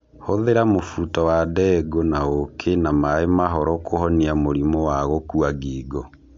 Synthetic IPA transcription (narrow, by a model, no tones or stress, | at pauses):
hoðeɾamofutɔwadɛːɡonaokʰenamaemaɦɔɾɔkohɔniamoɾimɔwaɣokuaɡiːɡɔ